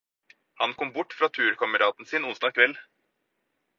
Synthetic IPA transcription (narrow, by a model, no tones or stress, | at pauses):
hɑnkʰɔmbʊʈːfɾɑːt̪ʰʉːɾkʰɑməɾɑːt̪n̩siːnʊnsd̪ɑːkʰʋɛlː